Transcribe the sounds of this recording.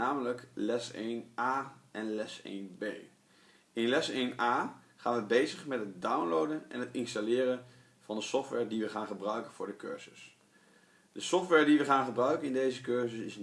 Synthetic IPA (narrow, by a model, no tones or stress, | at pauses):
aːmələklɛsḛjnaːʔɛnlɛsḛjnbej | ɪnlɛsejnaː | χaːnʋəbejzəχmɛt̚ɦətdawnlowdənʔɛ̰nɦətɪnstalɪːrən | v̥ɑndəsɔftʋɛɹdiʋəχaːnχəbrœɥkənv̥ʊːɹdəkø̰ɹz̥əs | dəsɔftʋɛɹdiʋəχaːnχəbrœɥkənɪndejzəkøɹzəsɪs